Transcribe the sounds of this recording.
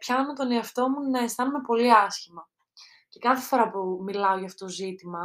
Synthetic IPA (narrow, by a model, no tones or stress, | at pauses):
pçɐnɐmet̪o̞neɐft̪o̞munɐe̞st̪ɐnume̞po̞liɐsçimɐ | ce̞kɐθe̞fo̞ɾɐpumilɐo̞ʝɐft̪oot̪ozit̪imɐ